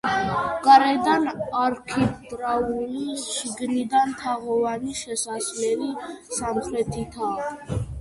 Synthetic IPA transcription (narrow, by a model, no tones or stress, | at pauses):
kʼɾɛd̪anaɾkʰɛt̪ʼɾauliʃiɡnid̪ant̪ʰaʁɔvaniʃɛsaslɛlisamχɾɛt̪ʰit̪ʰaː